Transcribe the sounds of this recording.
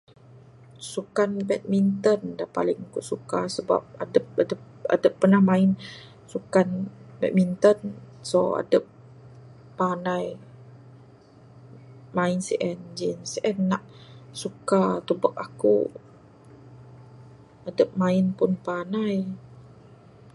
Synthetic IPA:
sukanbɛt̪̚mint̪əndahpa̰lɪŋkuʔsukasəba̰p̚adəp̚adəp | a̰dəpːərnahmaɪn | sukanbɛ̰t̪̚mint̪ənsoa̰dəp̚ː | anaj | maɪnsiʔɛnd͡ʒinsiʔɛnːaʔsukat̪ubək̚akṵ | adəp̚maɪnpʊnpanaj

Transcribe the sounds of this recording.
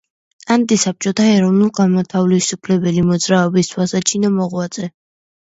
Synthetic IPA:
ant̪ʼisap̚t͡ʃʼɔt̪ʰaɛɾɔvnulˠɡamɔt̪ʰavlisupʰlɛbɛlimɔd̪zɾaɔbist̪ʰwasat͡ʃʰinamɔʁwad̪z̥ʼɛ

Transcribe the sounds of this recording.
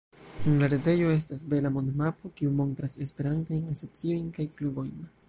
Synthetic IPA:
enlaɾede̞jo̞e̞stas̬be̞lamo̞ndmapo̞kiumo̞ntɾase̞spe̞ɾantojnaso̞t͡sio̞jnkajklubo̞jn

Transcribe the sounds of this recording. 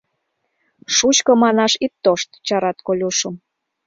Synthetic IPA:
ʃut͡ɕkɤ̆mɑnɑʃit̪ːoʃt̪t͡ɕɑɾɑt̪kolʲuʃə̆m

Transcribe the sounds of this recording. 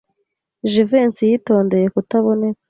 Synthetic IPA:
ʒiveːnsijito̞ːnde̞je̞kutaβo̞ne̞kḁ

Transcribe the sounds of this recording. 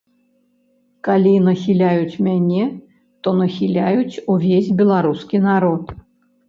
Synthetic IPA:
kalʲinɐxʲilʲajut͡sʲmʲanʲɛ | t̪ɔnɐxʲilʲajut͡sʲuvʲesʲbʲɛlˠaɾuskʲinaɾɔt̪

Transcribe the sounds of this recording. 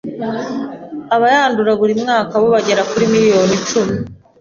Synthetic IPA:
aβajaːnduɾaβuɾimŋaːkaβo̞βaɟe̞ɾakuɾimiɾijo̞ːnit͡ʃumi

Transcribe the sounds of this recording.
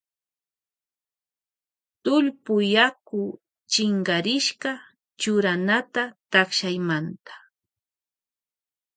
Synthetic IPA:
t̪ʊʎpʊjakʊ | t͡ʃɪŋɢɑɾɪʃɢɑ | t͡ʃʊɾanat̪at̪aχʃajmant̪ḁ

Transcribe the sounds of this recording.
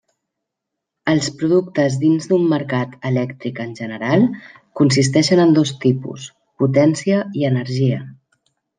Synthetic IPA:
əlˠspɾuðukt̪əzðinzd̪umːəɾkat̪əlɛkt̪ɾikənʲʒənəɾalˠ | kuns̬ist̪ɛʃənənd̪ost̪ipṵs | put̪ɛnsiəiənəɾʒiə

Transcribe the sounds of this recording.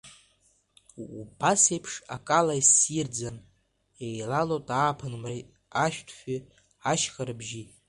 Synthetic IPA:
ubasejpʰʂa̰kʼalajsjird͡zan | ejlalotʼaːpʰɨnmr | aʃᶣtʰχʷᶣi | aʃχaɾɨbʒi

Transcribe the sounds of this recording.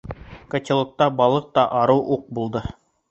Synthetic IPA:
kɐ̆t̪ʲɪ̆lˠŏk̚t̪ɑbɑlˠɤq̚t̪ɑʔɑɾɤwʔuq̚bulˠd̪ɤ

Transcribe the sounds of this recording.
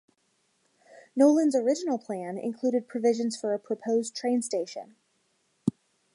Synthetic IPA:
noʊlˠə̃nzə˞ɪd͡ʒɨnl̩ˠpʰl̥æ̃nɪ̰̃nkʰl̥uɾɨd̚pʰɹ̥ɨvɪʒɨ̃nz̥fə˞ɨpʰɹ̥ɨpʰoʊztʰɹ̥ẽɪ̃nsteɪʃɨ̰̃n

